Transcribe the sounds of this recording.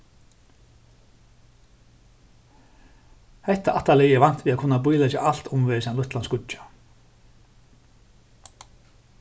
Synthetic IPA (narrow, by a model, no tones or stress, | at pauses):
hɛht̪aʔaht̪ːalɛːjɛɾvan̥t̪viðakʰʊnːapujlɛt͡ɕaʔal̥t̪ʊmvɛːɾɪsɛanʊht̪lanskʊḁ